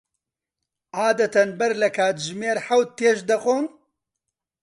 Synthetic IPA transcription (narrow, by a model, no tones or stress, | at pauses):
aːd̪ɐt̪ɐnbɐɾlɐkʰaːt̪ʒmeːɾħawt̪̚t̪ːeːʃd̪ɐqoːn